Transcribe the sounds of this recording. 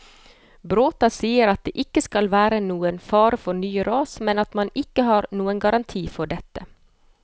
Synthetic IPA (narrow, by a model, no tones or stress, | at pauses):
bɾoːt̪ɑsiːəɾɑt̪̚d̪ḛːʔɪkːəskɑlʋæːɾənuːənfɑːɾəfɔɳyːɾɑːsmɛnɑt̪mɑnɪkːəɦɑːɾnuːənɡɑɾɑnt̪ʰiːfɔɖɛt̪ːə